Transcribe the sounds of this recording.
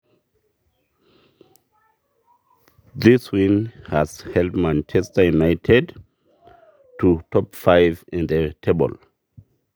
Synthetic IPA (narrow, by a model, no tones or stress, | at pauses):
ðiswĩnhazhɛldmãnt͡ʃɛstəjunaɪtʰɛd | tutʰɔpfaɪvĩnd̪ətʰebə̰l